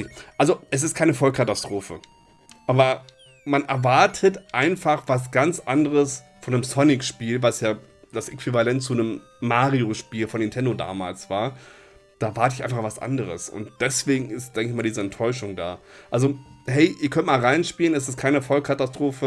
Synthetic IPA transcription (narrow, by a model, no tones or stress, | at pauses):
ʔalzoʔɛs̬ɪst̚kʰaɪnəfɔlkʰatastʁ̥oːfə̰ | ʔaːbɐ | manʔɛɐvaɐtʰətʔaɪnfaχv̥as̬ɡ̥ant͡sʔandəʁəs | fɔnəmsɔnɪkʃpiːlvasjaː | d̥asʔekv̥ivalɛntt͡sunəmː | aːʁioʃpiːlfɔnɪntʰɛndoda̰ːmaːlsv̥aːɐ | d̥aːɛɐvaɐtəɪçaɪnfaɐχv̥asʔa̰ndəʁ̞əsʊ̰ntd̥ɛsv̥eːɡŋ̩ɪstd̥ɛŋkɪçmaːldiːzəɛntʰːɔʏʃ̬ʊŋda̰ːʔalzohɛɪʔiːɐkʰœntmaːlʁaɪnʃpiːlənɛs̬ɪst̚kʰaɪnəfɔlkʰatastʁ̥oːfə